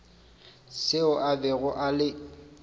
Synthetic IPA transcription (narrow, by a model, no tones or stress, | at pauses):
sɪʊʔabɛɣʊʔalɪ